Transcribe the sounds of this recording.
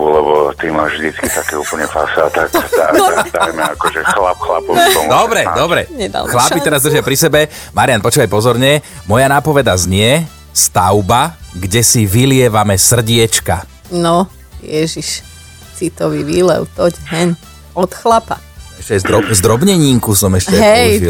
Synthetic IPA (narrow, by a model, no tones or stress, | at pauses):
ulɛbɔt̪imavʒd̪it͡skit̪akɛːṵpl̩ɲɛfasat̪ak̪ad̪ajmɛakɔʒɛxlapxla̰pɔʋpɔmd̪ɔbɾɛd̪ɔbɾɛ̰ɲɛd̪a̰lxlapit̪ɛɾazd̪r̩ʒɪjapɾisɛbɛmaɾɪanpɔt͡ʃuːʋajpɔzɔɾɲɛmɔjanaːpɔʋɛd̪azɲɪɛ | st̪aʊbaɡɟɛsiʋilɪɛʋamɛsr̩ɟɪɛt͡ʃka | nɔ | jɛʒiʃ | sit̪ɔʋiʋiːlɛ̰ʊt̪ɔɟɦɛɲ | ɔt̪xlapa | ɛʃcɛaj̪ɔzd̪ɾɔbɲɛɲiːŋkusɔmɛʃcɛɦɛji